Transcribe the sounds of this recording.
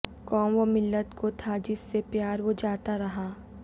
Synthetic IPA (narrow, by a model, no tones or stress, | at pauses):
kɔːmʋomɪlːət̪kʰot̪ʰad͡ʒɪsːepjaːɾʋod͡ʒaːt̪aɾɐɦaː